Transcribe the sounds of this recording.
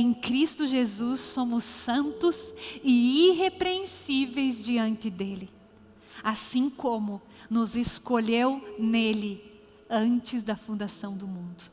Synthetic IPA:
ẽj̃kɾist̪ʊʒezusːõmʊsɐ̃nt̪ʊzɪiɦepɾeẽsivejzd͡ʒiɐ̃nt̪ɪd̪elɪ | asĩkõmʊ | nʊzeskoʎewnelɪ | ɐ̃t͡ʃɪzd̪ɐfũnd̪asɐ̃w̃d̪ʊmũnd̪ʊ

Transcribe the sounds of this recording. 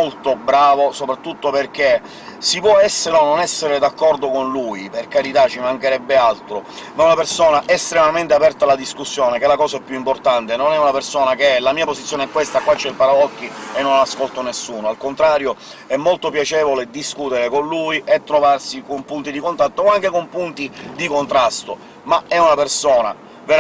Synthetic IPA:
olt̪obɾaːvosopɾat̪ːut̪ːoperk̟e | sipwɔɛsːeɾononɛsːeɾed̪akːɔrd̪okonluːjperkaɾit̪at͡ʃːimaŋkeɾɛbːealt̪ɾomaunapersoːnaʔest̪ɾemament̪eapɛrt̪alːad̪iskusːjoːnekelakɔːsaɛpːjuimport̪ant̪enonɛunapersoːnakelamiːaposit̪sjoːneɛkːwest̪akwat͡ʃːɛlpaɾaɔkːienːonlaskolt̪onesːuːnoalkont̪ɾaːɾjo | ɛmːolt̪opjat͡ʃɛːvoled̪iskuːt̪eɾekonluiʔet̪ːɾovarsikompunt̪id̪ikont̪at̪ːoaŋk̟ekompunt̪id̪ikont̪ɾast̪o | maɛunapersoːna | veɾ

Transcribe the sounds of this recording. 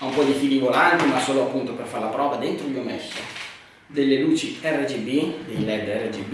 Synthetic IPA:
aumpɔd̪ifiːlivolant̪imasːoːloapːunt̪operfarlapɾɔːvad̪ent̪ɾomiomɛsːo | d̪elːeluːt͡ʃiɛrːed͡ʒibid̪ejlɛd̪ɛrːed͡ʒib

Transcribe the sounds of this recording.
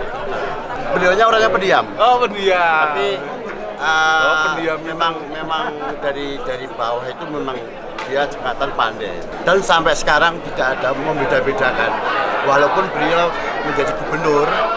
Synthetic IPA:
b̥əliɔɲaoɾaɲapədiamopədaapi | ʔə | memaŋmemaŋd̥aɾid̥aɾib̥aɔɦit̪umemaŋ | d̥iḁd͡ʒə̥kat̪anpa̰ndɛ̰ | d̥ansampɛʔsə̥kaɾaŋt̪id̥aʔad̥aməmbed̥abed̥akanwaɦlapʊnb̥əliɔlɔməɲd͡ʒadiɡə̤b̥ənʊr

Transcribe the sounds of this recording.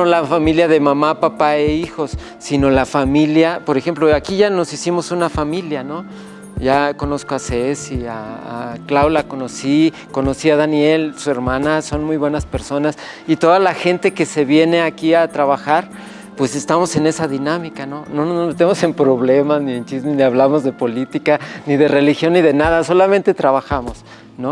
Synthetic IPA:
nolafamiljaðe̞mãmapapaeixo̞sː | ino̞lafamiljapo̞ɾexe̞mploakiʝano̞sisimo̞sunafamiljano̞ | ʝako̞no̞skoasesia̰ːklawlakono̞si | ko̞no̞siaðanje̞lsue̞ɾmãnaso̞nmujβwe̞naspe̞ɾso̞nas | it̪o̞ðalaxe̞nt̪eke̞se̞βje̞ne̞akiat̪ɾaβaxaɾ | pwe̞se̞st̪amo̞se̞ne̞saðinamikano̞no̞nozzmet̪emo̞se̞mpɾo̞βle̞maznient͡ʃizmeniaβlamo̞zðe̞po̞lit̪ikaniðere̞lixjo̞nːiðe̞naðaso̞lament̪e̞t̪ɾaβaxamo̞s | no̞

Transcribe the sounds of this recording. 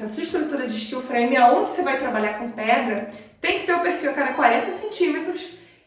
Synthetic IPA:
ɐsuiʃt̪ɾut̪uɾɐd͡ʒɪʃt͡ʃiwfɾẽmɪaõd͡ʒɪsevajt̪ɾabaʎakõpɛd̪ɾɐt̪ẽj̃kɪ̥t̪eɾʊpeɾfiwɐkaɾɐkwaɾẽt̪ɐsẽnt͡ʃĩmet̪ɾʊs

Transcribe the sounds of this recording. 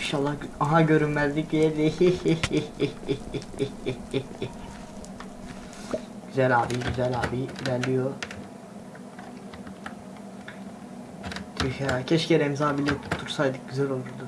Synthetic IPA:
iʃaːlˠːaaɦaɟø̞ɾynmæzlʲicd̪ijɛd̪i | ɟ̥yzælʲaːbiɟyzælaːbiilʲæɾlʲijo | t̪ʰyçæcʰɛt͡ʃceɾɛmzaːbilʲit̪ʰuɾsajd̪ɯk̚ɟyzælʲo̞lˠuɾd̪u

